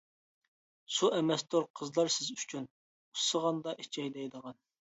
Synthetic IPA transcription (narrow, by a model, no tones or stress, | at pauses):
suʔɛmɛst̪oɾqʰəzlˠɑɾsɪzyt͡ʃʰyn | usəʁɑnd̪ɑʔit͡ʃʰɛjd̪ɛjd̪əʁɑn